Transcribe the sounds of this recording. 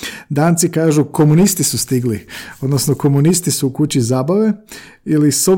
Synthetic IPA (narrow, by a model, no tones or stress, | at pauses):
d̪aːnt̪sikaːʒuko̞munist̪isust̪iɡliod̪nosnoko̞munist̪isuːkut͡ɕizaːbaʋe̞ | iliso